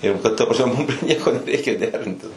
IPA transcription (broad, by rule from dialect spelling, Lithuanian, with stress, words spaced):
ɪr ˈbʲɛt tɐ prɐsʲˈmʲɛ mʊm pʲrʲiɛ ˈnʲiɛkoː nʲɛrʲɛɪˈkʲeːjoː ˈdʲæːrʲɪnʲtʲɪs